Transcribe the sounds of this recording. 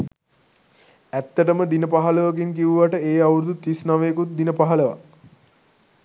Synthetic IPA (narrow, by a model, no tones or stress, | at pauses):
æt̪ːəʈəməd̪inəpaɦɐləʋakiŋkiʋuʋaʈəeːauɾud̪ut̪isnaʋəkut̪̚d̪inəpaɦaləʋa̰